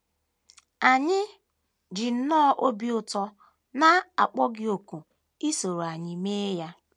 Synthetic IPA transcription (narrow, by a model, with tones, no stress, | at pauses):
a˨ɲɪ˦ | d͡ʒɪ˨n̩˦nɔ˦ʔo˦bi˦ʊ˦tɔ˦ | na˦a̰˨k͡pɔ˦ɡɪ˦o˨ku˨ | i˦so˨ɾo˨a˨ɲɪ˨me˦ja˦